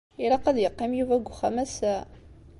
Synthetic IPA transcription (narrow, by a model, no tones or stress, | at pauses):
iɾɑqːɑðjəqːimjuvæɡʷxæmæsæ